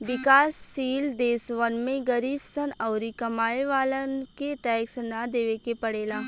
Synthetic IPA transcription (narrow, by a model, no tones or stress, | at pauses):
ʋɪkaːsːiːld̪eːsʋənmẽɡɐɾiːbsənɔːʊɾikɐmaːeʋaːlənkeʈɛːksnad̪eːʋekepɐɽeːlaː